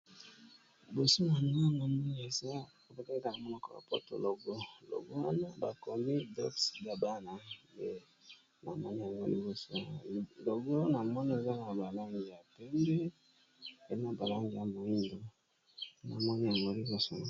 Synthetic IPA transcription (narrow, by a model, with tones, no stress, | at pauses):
li˨bo˨so˦na˨ni˨ma˦˨ŋɡo˦˨mi˦n˨e˨za˦ | o˨be˨te˦ŋ˦ka˨na˨mɔ˦nɔ˦ko̰˦˨a̰˨pɔ̰˦to̰˨lo˨ɡo˦lo̰˨ɡo˦wa˦na˦ba˨ko˨mi˦dɔ̰˦ksba˨ba˦na˨be˦ | na˨mɔ˦ni˦ja˨ŋɡo̰˦lḭ˨bo˦so˦˨lo˨ɡo˦na˨mɔ˦ni˦e˨za˦na˨ba˨la˦ŋɡi˨ja˨pɛ˦ŋbɛ˦ | e˨˦na˦ba˨la˦ŋɡi˨a˨mo˨i˦ndo˨ | na˨mɔ˦ni˦ja˨ŋɡo˦li˦bo˨so˨ŋ˦